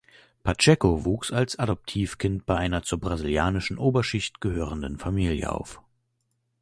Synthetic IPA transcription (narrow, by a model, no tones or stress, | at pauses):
pʰat͡ʃɛkovuːksalsadɔp̚tʰiːfkʰɪnt̚b̥aɪʔaɪnɐt͡suːɐbʁaziljaːnɪʃn̩ʔoːbɐʃɪçtɡ̥əhøːʁəndənfamiːljə̰ʔa̰ʊf